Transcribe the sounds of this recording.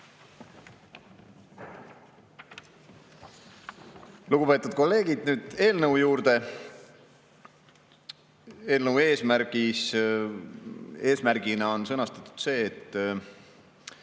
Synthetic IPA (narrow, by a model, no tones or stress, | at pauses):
luɡ̥upe̞ːt̪ːˑud̪̚ko̞lːe̞ːɡ̥id̪̥nyːd̪̥e̞ːlnəwjuːɾd̪e̞ | e̞ːlnəwe̞ːsmæɾɡ̥is | e̞ːsmæɾɡ̥inɑo̞nsɤnɑst̪ɑt̪ːˑu̥d̪̥se̞ːt̪ː